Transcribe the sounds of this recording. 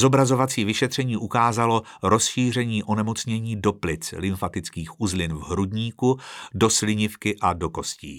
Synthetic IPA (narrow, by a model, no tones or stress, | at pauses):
zo̞bɾazo̞vat͡siːvɪʃɛt̪r̥ɛɲiːʔukaːzalo̞ | ɾo̞sʃiːr̝ɛɲiːʔo̞nɛmo̞t͡sɲɛɲiːdo̞plɪt͡slɪɱfat̪ɪt͡skiːxʔuzlɪnvɦɾudɲiːkudo̞slɪɲɪfkɪʔado̞ko̞scḭː